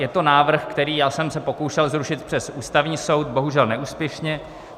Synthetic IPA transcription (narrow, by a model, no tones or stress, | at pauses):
jɛt̪o̞naːvr̩xkt̪ɛɾiːjaːsɛmsɛpo̞kowʃɛlzɾuʃɪt̪̚pr̥ɛsʔuːst̪avɲiːso̞wt̪̚bo̞ɦuʒɛlnɛʔuːspjɛʃɲɛ